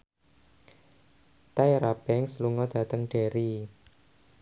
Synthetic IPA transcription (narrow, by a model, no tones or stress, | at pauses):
t̪ajɾab̥ɛŋsluŋɔd̪̥ä̤t̪əŋɖ̥e̤ɾi